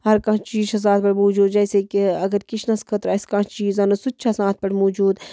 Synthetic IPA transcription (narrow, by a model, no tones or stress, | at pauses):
ɦɐɾkãt͡ʃiːt͡ʃɐs̬ãːt̪̚pɐɽmoːd͡ʒuːd̪d͡ʒɐːsekiɐɡəɾkɪt͡ʃʰnɐskʰɐt̪ɾaːɪskãːt͡ʃiːzɐnɐsutːt͡ʃʰasãːt̪̚ʰpɐɽmoːd͡ʒuːd̪